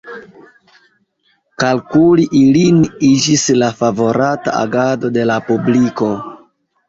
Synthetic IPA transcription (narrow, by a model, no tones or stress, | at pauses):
kalkuliʔilinid͡ʒislafavo̞ɾata̰a̰ɡado̞de̞lapubliko̞